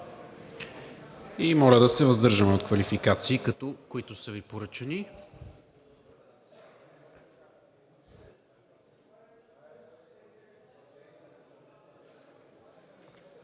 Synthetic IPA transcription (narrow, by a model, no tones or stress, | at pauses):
imɔlʲəd̪ɐsɛvəzd̪ɤɾʒəmɛot̪kvɐlifikat̪siːkɐt̪ɔkoit̪ʊsəvipoɾət͡ʃəni